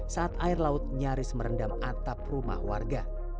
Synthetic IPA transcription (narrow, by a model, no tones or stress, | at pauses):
saat̪aɪrlaʊt̪̚ɲaɾɪsməɾəndamat̪ap̚ruma̰hwarɡa